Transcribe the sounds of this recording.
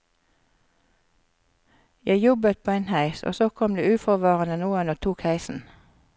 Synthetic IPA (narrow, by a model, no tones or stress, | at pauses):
jæɪjɔbət̪̚pʰoːeɪnhæɪso̰ːsoːkʰɔmd̪ḛːʉːfɔʁʋɑːʁənənuːənoːt̪ʰuːkhæɪsn̩